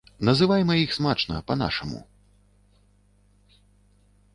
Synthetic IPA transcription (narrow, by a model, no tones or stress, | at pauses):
nɐzɨvajmɐjixsmat͡ʂnɐ̰pɐn̪a̰ʂɐmṵ